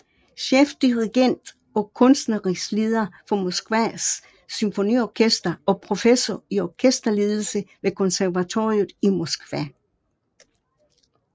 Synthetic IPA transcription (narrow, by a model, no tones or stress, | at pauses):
ɕefd̥iʁiɡ̥en̰d̥ | ɒ̽kʰɔ̽nsd̥nəʁisle̝ːð̞ˠɐfɒ̽mɒsɡ̥ʋæsː | ymfo̝niɒkʰesd̥ɐɒ̽pʰʁo̝fesɒiɒkʰesd̥ɐle̝ːðˠl̩səʋe̝kʰɔ̽nsæɐʋæt͡sʰo̰ːʁiuðˠimɒsɡ̥ʋæ